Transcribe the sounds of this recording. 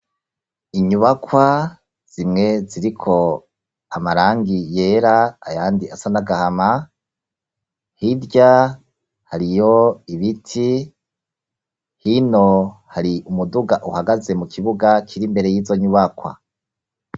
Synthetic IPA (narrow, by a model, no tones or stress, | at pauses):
iɲuβakwa | z̥imŋe̞ziɾikʰo̞ | amaɾaːŋɡije̞ːɾaːjaːndiasanaɡahama | hidɟa | haɾijo̞iβitʰi | hino̞haɾiʔumuduɡaʔuhaɡaze̞mukʰiβuɡakʰiɾimbe̞ɾe̞jiːzo̞ɲuβakwa̰